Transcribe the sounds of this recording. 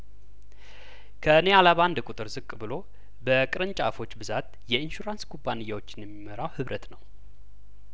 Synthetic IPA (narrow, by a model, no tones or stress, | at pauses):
kʰənealaβand̪kʼut̪ʼɨɾzɨkʼːbɨlo̞ | bəkʼɨɾɨnt͡ʃʼafo̞t͡ʃːbɨzat̪ | jɛɨnʃuɾanskʰubːanɨjːawo̞t͡ʃːɪnjɛmːiməɾawhɨβɾʔət̪nəw